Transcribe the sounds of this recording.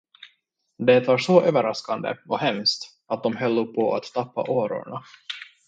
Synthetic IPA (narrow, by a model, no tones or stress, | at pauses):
d̪et̪vaʂɔʔøːvəɾaskand̪ə̰ɔɦɛmst̪ | at̪̚d̪ɔmɦœlːʊɡpʰɔa̰t̪ːʰapːa̰ʔoːɾʊ̰ɳa